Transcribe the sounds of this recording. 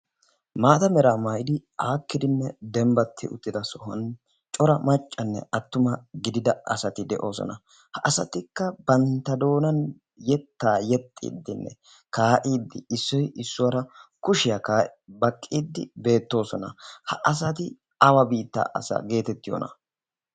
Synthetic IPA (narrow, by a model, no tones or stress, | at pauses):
maːt̪ɐmɛɾaːmɐjɪd̪ɪaːkːɪd̪ɪnːɛd̪ɛmbɐt̪ʰːɪ̰ʊ̰t̪ːɪd̪ɐsɔhɐn | t͡ʃʼɔɾɐmɐt͡ʃʼːɐnːɛ̰ʔɐt̪ːʊmɐɡɪd̪ɪd̪ɐɐsɐt̪ɪd̪ɛʔo̞ːsɔ̰nɐ | hɐʔɐsɐ̰t̪ɪkːɐbɐnt̪ːɐd̪o̞ːnɐn | jɛt̪ːaːjɛt̪ʼːḭːd̪ːɪnːɛ̰ | kaːʔiːd̪ːɪɪsːɔjɪsːʊwɐɾɐkʊʃɪjakaːbɐkʼːiːd̪ːɪbe̞ːt̪ːo̞ːsɔnɐ̰hɐʔɐs̬ɐt̪ɪ | ɐwɐbiːt̪ːa̰ːʔɐ̰sɐ̰ːɡe̞ːt̪ɛt̪ːɪjo̰nɐ̰